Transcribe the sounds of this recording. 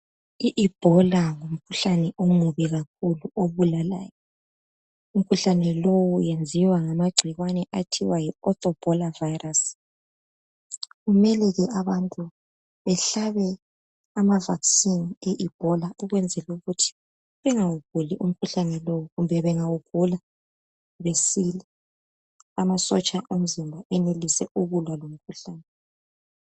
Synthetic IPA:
iʔib̥ʱɔlaŋom̩kʰuɬanɛʔomuβiɣak̚ʰuluʔoβulala̰ːjɔ | um̩kʰuɬanɛlowujend͡zʱiwaŋamaɡ͡ǀʱiɣwanɛʔatʰiwajiɔt̪ʼɔb̥ʱɔlavajras | ɣumɛlɛɣɛʔaβantʼu | βɛɬaβɛ | amavaksinɛʔib̥ʱɔlauɣwɛnd͡zʱɛluɣutʰi̥ | βɛŋawuɡ̥̚ʱuliʔum̩kʰuɬanɛlowuɣumbʱɛβɛŋawuɡ̥ʱula | βesilɛ | amasɔ̰t͡ʃʼaʔum̩zimbʱaʔɛnelisɛuɣulwalom̩kʰuɬaːnɛ

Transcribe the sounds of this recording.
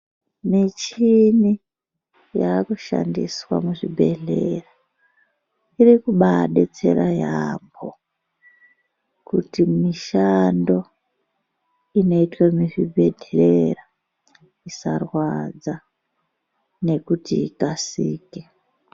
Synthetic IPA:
mit͡ʃini | jaːkuʃa̰ndḭswa̰muʐibʱe̞ɮe̞ra | iɾikuɓaɗe̞t͡se̞ɾajambo̰ | kutimiʃando̞ | ino̞itwamiʐibʱe̞ɮerera | isarwad͡za | ne̞kutiikasiːke

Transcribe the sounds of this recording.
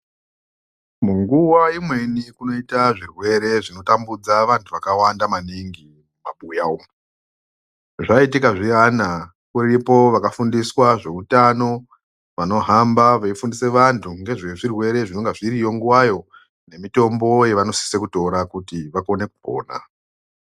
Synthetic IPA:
muŋɡuwaimwe̞nikuno̞itaʐirwe̞ɾe̞ʐino̞tambud͡zaʋantʰuʋakawandamaniŋɡi | mumaɓujaum | ʐaitikaʐiana | kuripo̞ʋakafundiswaʐe̞utano̞ | ʋano̞ɦambaʋaifundise̞ʋantʰuŋɡe̞ʐeʐirwe̞ɾe̞ʐino̞ŋɡeʐiɾijo̞ŋɡuwajo̞ | ne̞mito̞mbo̞je̞ʋano̞si̥sekuto̞ɾakutiʋakone̞kupo̰ːna̰

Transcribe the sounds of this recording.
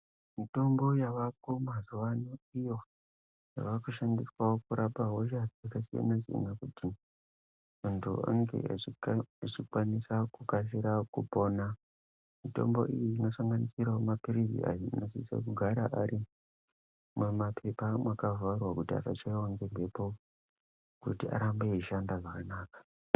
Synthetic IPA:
mito̞mbo̞jaʋak̚o̞mazuʋanoijo̞ | ja̰ʋakuʃandiswaokuɾʔapaɦoʒaakasija̰naziḭnakuti | muntʰṵa̰ŋɡḛeet͡ʃikwanisakukas̬iɾakupo̞ːna | mito̞̰mbo̞̰ʔijiːno̞saŋɡanisiɾaomapiɾizḭʔa̰jiinosisa̰kuɡʱaɾaʔaɾi | mumapʰe̞pamwakavarwakutia̰fat͡ʃaiwaŋɡeɡe̞po̞ | kutia̰ɾambeiʃandaʐakanaːkḁ

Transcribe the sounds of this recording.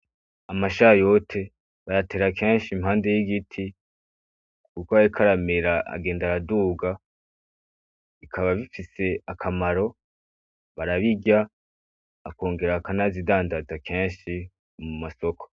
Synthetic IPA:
amaʃajo̞tʰe̞ | βajate̞ɾakʰe̞ːnʃimhaːnde̞jiɡitʰi | kukoaɾikʰaɾameɾaa̰ɡe̞ːndaɾaduːɡa | ikʰaβaβifise̞akʰamaɾo̞ | βaɾaβiɡja | a̰ko̞ːŋɡe̞ɾakanazidaːndazakʰe̞ːnʃi | mumaso̞kʰo̥

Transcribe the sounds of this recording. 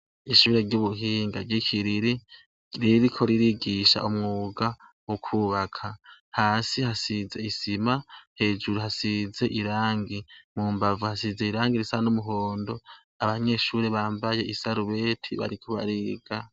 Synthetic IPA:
iʃuːɾe̞ɾɟuβuɦiːŋɡaɟikʰiɾiɾi | ɾiɾikʰo̞ɾiɾiɡiʃa̰ʔumŋuɡa | wukʰuβakʰahaːsihasize̞isimahe̞ːd͡ʒuɾuhasize̞ʔiɾaːŋɡimumbavuhasize̞iɾaːŋɡiɾisanumuɦo̞ːndo̞ | aβaɲe̞ʃuːɾe̞βaːmbaje̞ʔisaɾuβe̞ːtʰiβa̰ɾikʰuβa̰ɾiɡ̥a

